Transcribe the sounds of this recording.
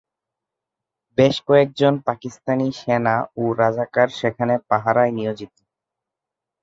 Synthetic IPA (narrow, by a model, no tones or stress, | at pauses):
beʃkɔek̚d͡ʑonpakist̪aniʃenaoɾad͡ʑakaɾʃekʰanepaɦaɾajnijod͡ʑit̪o